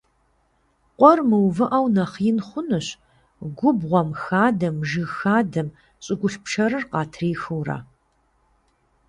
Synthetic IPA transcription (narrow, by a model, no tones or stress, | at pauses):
qʷʼɔrmɨwvɨʔɐwnɐχjɪnχʷʊnɨɕ | ɡʷʊbʁʷɔmxaːdɐmʒɨxaːdɐm | ɕʼɪɡʷʊɬpʂɐɾɨrqɑːtʰriːxɨwra̰ː